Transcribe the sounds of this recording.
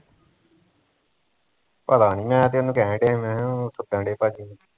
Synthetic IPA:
pəd̪aːniːmɛ̃ːt̪̬eːonũːkɛ̃ːɖeːmɛ̃ːɦɛ̃ːsʊʈːə̃ːɖeːpaːd͡ʒi

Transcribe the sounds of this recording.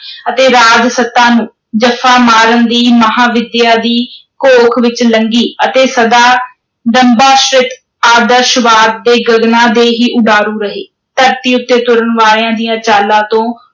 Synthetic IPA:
ət̪eːɾaːd͡ʒsət̪ːãːnũː | d͡ʒəfʰaːmaːɾənd̪iːməɦaːʋɪd̪ɪjaːd̪iːkoːkʰʋɪt͡ʃləŋɡiːət̪eːsəd̪aː | ɖəmbaːʃɾɪt̪ | aːd̪əɾʃʋaːɾd̪eːɡəɡnãːd̪eːɦiːʔʊɖaːɾũːɾəɦeː | t̪əɾt̪iːʊt̪ːeːt̪ʊɾəɳʋaːɾãːd̪ijãːt͡ʃaːlãːt̪õː

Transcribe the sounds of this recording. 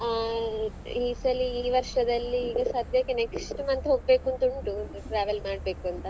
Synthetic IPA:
iːsɐliːʋɐɾʂɐd̪ɐlːiːɡɐsaːd̪ʱjaːkːeneksʈmɐnt̪ɦoːɡ̚beːkuɐnt̪uɳʈu | ʈɾaːʋelmaːɽ̚be̞ːkuɐnt̪ɐ

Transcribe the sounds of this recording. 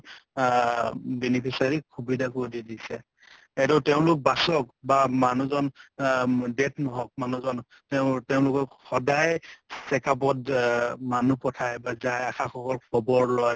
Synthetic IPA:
benipʰisaɹikʰubidʱakodidisɛ | ɛdɔtɛʊ̃lʊk̚basɔk̚bamanuzɔn | detnɔɦɔk̚manuzɔn | tɛʊteʊ̃lʊkɔxɔdajsɛkap̬ɔtmanupɔtʰajbazajaxaxɔkɔlkʰɔbɔɹlɔj

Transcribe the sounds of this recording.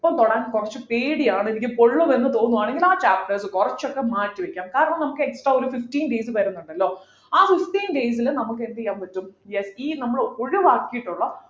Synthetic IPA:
ipːoːɭkoɽaːnkurɐt͡ɕːɨpeːɽijaːɳɨenikʲːupo̞ɭːumenːɨt̪o̞ːnːuaːɳe̞ŋɡilaːt͡ɕaːpʈesɨkurɐt͡ɕːokːe̞maːtːiʋekʲːaːmkaːɾɐɳɐmnɐmukːɨeksʈraːo̞ɾufiftiːnɖeːs̬ɨʋɐɾunːuɳɖɐlːo̞ː | aːfiftiːnɖeːjs̬ilnɐmukːend̪ikʲːaːmpɐtːumjesiːnɐmːɐɭoɻuʋaːkːijiʈːuɭːɐ

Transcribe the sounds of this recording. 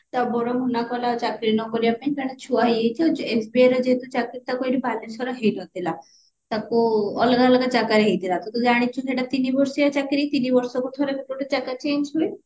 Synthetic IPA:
t̪abɔɾɔɦunakɔlat͡ʃakɾinɔkɔɾiapaĩk̪aɽ̃et͡ʃʰuajejt͡ʃʰɛesbieɾɔd͡ʒeɦt̪ut͡ʃakiɾt̪akoiɾibʱalesɔɾaɦejlɔt̪ila | t̪akuɔlɔɡaɔlɔɡad͡ʒaɡaɾeɦid̪ilat̪ɔt̪ud͡ʒaɽ̃it͡ʃʰukeɽat̪inibɔɾsɔjat͡ʃakɾit̪inibɔɾsɔkut̪ʰɔɾebekoʈet͡ʃaɡat͡ʃensoe

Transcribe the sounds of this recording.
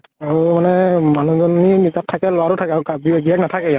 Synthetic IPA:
aɹumanɛmanuzɔninitatʰːakɛlɔwaɾʊtʰakɛaukabiɡiɛk̚natʰakɛja

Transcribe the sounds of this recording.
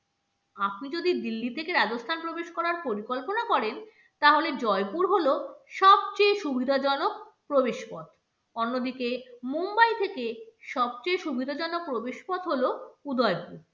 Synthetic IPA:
apnid͡ʑod̪id̪ilːit̪ʰekeɾadost̪ʰanpɾobeʃkɔɾaɾpoɾikolponakɔɾen | t̪aɦoled͡ʑɔepuɾɦoloʃɔb̚t͡ɕejʃubʱid̪ʱad͡ʑɔnok̚pɾobeʃpɔt̪ | onːod̪ikemumbajt̪ʰekeʃɔb̚t͡ɕejʃubʱid̪ʱad͡ʑɔnok̚pɾobeʃpɔd̪ɦoloud̪ʱɔepuɾ

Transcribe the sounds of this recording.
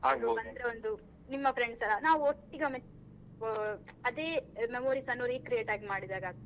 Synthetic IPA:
aːɡbɐnd̪ɾeond̪u | nimːɐpʰɾeɳɖsɐlɐnaːʋuoʈːiɡɐme | ɐd̪eːmemoːɾisɐnːoːɾikɾijeːʈaːɡimaːɽid̪aːɡaː

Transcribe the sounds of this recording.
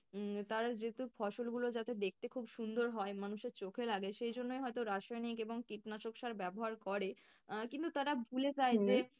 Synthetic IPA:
t̪aɾad͡ʑet̪ufʰɔʃolɡulod͡ʑat̪ed̪ek̚ʰt̪ekʰubʃund̪oɾɦɔemanuʃeɾt͡ɕokʰelaɡeʃejd͡ʑonːojɦɔet̪oɾaʃɔjnikeboŋkiʈnaʃokʃaɾbɛboɦaɾkɔɾe | kint̪ut̪aɾabʱulet͡ɕajt̪e

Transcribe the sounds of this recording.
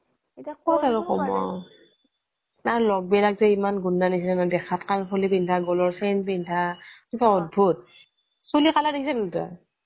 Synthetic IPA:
kʰɔtaɹuxɔmɔ̰ | nalɔɡ̚bɛlakzɛimanɡunːanisilɛnadɛxʰatkanpʰolipindʱaɡɔlɔɹsɛnbindʱakibaɔd̚bʱut̚ | sulikaladekʰisɛnanta̰

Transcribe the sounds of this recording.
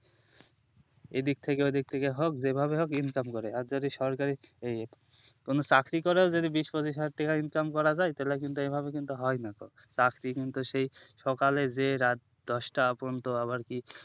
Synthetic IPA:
ed̪ik̚t̪ʰekeojd̪ik̚t̪ʰekeɦokd͡ʑebʱabeɦokinkamkoɾeaɾd͡ʑod̪iʃɔɾkaɾie | konot͡ɕakʰɾikoɾeod͡ʑod̪ibiʃpod͡ʑiʃaʈikainkamkɔɾad͡ʑajt̪ɛlakint̪uejbʱabekint̪uɦɔenako̰t͡ɕakʰɾikint̪uʃejʃɔkaled͡ʑeɾat̪̚d̪ɔʃʈaapont̪oaβaɾki

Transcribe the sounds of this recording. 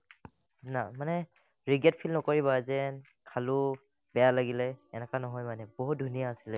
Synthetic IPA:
namanɛ | ɹiɡɛt̚pʰilnɔkoɹiβazɛn | kʰalʊ | bɛjalaɡilɛːnɛkanɔɦɔjmanɛboɦut̚dʱunijaːsilɛ

